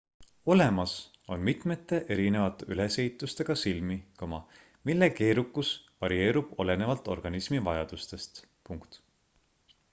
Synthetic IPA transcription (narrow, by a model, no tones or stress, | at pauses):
o̞le̞mɑs | o̞̰nmit̪ˑme̞t̪ːˑe̞ʔe̞ɾine̞vɑt̪ːˑeyle̞se̞it̪ˑːust̪e̞ɡ̥ɑsilmikomɑ | milːe̞ke̞ːɾukːˑusvɑɾie̞ːɾub̥o̞le̞ne̞vɑlt̪ːˑo̞rɡ̥ɑnismivɑjɑd̪̥ust̪e̞st̪ | puŋkt̪